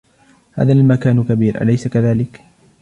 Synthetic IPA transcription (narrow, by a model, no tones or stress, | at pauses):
ha̰ːðalmakaːnkabiːɾʔa̰lajsakaðaːlɪk